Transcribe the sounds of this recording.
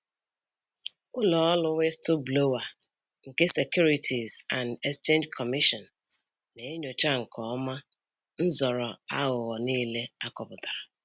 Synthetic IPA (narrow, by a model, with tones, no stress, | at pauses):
ʊ˦lɔ˨ɔ˦lʊ˦ŋʷe˦stu˦blo˦wa˨ | ŋ̩˨ke˦se˨kju˦ɾi˦tʰi˨za˨nde˦kst͡ʃe˦nd͡ʒkʰɔ˨mi˦ʃɔ˨n̩ː˨ | e˨e˦ɲo˨t͡ʃa˦ŋ̩˨kʰɔ˨˦ma˦ | n̩˦zɔ˨ɾɔ˨a̰˦ɣʊ˨ɣɔ˨niː˦le˦a˦kɔ˨pʊ˨ta˨ɾa˨